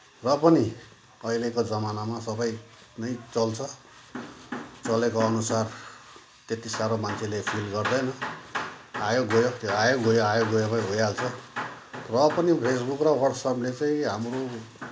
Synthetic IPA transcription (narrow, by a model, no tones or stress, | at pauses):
rʌpʌni | ʌilekod͡zʌmanamasʌbʌj | nʌjt͡sʌlt͡sʰʌ | t͡sʌlekoʌnusar | t̪et̪isaɾomant͡sʰelepʰilɡʌrd̪ʌjnʌ | ajoɡojot̪oajoɡojoajoɡojopãɦojalt͡sʰʌ | rʌpʌnipʰes̬bukrʌwʌrʈsʌplet͡saĩɦamro